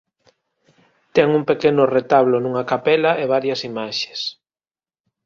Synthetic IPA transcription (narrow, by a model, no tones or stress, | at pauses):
t̪ɛŋumpekenʊret̪aβlonuŋɐkapɛlɐeβ̞aɾjɐsimaʃe̥s